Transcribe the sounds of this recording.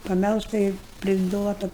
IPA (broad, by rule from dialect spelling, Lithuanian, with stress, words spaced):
pɐˈmʲɛlˠʃtɐ ɪr pʲrʲɪˈduɔtɐ